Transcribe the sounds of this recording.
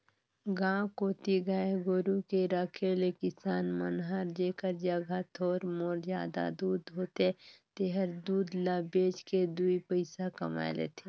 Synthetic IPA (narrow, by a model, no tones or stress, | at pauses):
ɡãːkoːt̪iɡaeɡoːɾukeɾakʰelekɪsaːnmənɦaːɾd͡ʒeːkəɾd͡ʒaɡʱat̪ʰoːɾmoːɾza̰ːd̪a̰d̪uːd̪ɦoːt̪et̪eɦəɾd̪uːd̪laːbeːd͡ʒked̪uipəɪsakɐma̰ːlḛːt̪ʰeː